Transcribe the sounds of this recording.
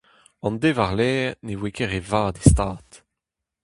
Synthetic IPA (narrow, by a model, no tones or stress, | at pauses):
ɑ̃ndeːvaʁlɛːʁnewekeʁevaːdestaːt̪